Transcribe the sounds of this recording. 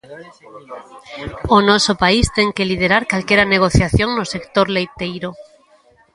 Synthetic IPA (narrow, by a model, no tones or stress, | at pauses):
onosopaist̪eŋkelið̞eɾaɾkalkjeɾaneɣ̞oθjaθjoŋnose̞kt̪oɾlejt̪ejɾo